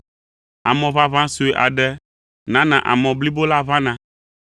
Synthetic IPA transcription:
a˨mɔ̃˨va˦vã˦su˨e˨ʔa˨ɖɛ˦ | nã˦nã˨ʔa̰˨mɔ̃˨bli˦bo˦la˦vã˦nã˨

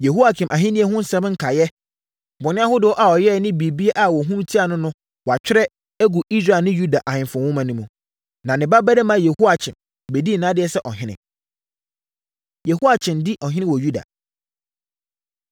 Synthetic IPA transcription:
je˨ɦo˦a˨t͡ɕʰɪ̃˨mʔa˨ɦɪ̃˦nĩ˦ɛ˦ɦʊ̃˦n̩˦sɛ̃˦m˦ŋ̩˦kʰa˨jɛ˦ | bɔ˨nɪ̃˦a˦hʊ˦dɪ˨ɔ˦ʔa˨ɔ˨jɛ˦˨nɪ̃˦bi˨bi˦e˦ʔa˨wɔ˨ɦũ˦m˦tʰi˦a˨nʊ̃˦nʊ̃˦ | wɔ˨a˨t͡ɕᶣɪ˦ɾɛ˦ | æ˦ɡu˨ʔi˦sɾa˦˨lnɪ̃˦ju˦da˨ʔa˨hɪ̃˨m˨fʊ̃˨wʊ̃˦mã˨nũ˦mũ˨ | nã˨nɪ̃˨ba˦bɛ˦dɛ˦mã˦je˨hu˦a˨t͡ɕʰɪ̃˨m | be˨di˦˨nã˦dɪ˨˦ɛ˦sɛ˦ʔɔ˨ɦɪ̃˦nɪ̰̃˨ | jɛ˨hu˦a˨t͡ɕʰɪ̃˨ndi˦ʔɔ˨ɦɪ̃˦nɪ̃˦wɔ˨ju˦da̰˨

